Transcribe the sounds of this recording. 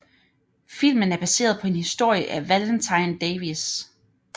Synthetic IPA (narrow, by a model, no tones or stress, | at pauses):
fil̰mənæɐb̥æse̝̰ːɐð̞̩ˠpʰɒ̽e̝nhisd̥o̝ɐ̰jəʔæʋæld̥ənt͡sʰɑ̈ɪnd̥eɪʋis